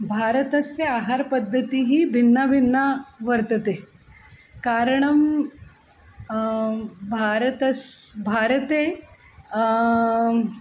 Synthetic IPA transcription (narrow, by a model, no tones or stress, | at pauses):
bʱaɾət̪əsjeaɦaɾpəd̪ʱːət̪iːɦiːbʱinːabʱinːaʋəɾt̪ət̪e | kaɾəɳəm | bʱaɾət̪əsbʱaɾət̪e